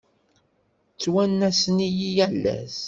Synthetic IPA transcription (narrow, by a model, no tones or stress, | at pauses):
t͡sːwænːæsənijijælːæ̰s